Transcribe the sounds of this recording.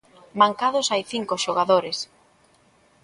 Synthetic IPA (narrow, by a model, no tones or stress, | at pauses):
maŋkaðʊsajθiŋkoʃoɣaðoɾes